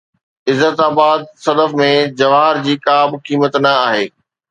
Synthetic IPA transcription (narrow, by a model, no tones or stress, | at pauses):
ɪzːət̪aːbaːd̪̚sɐd̪əfmẽd͡ʑɐʋaːɦɪɾd͡ʑiːkaːbkiːmət̪nɐaːɦeː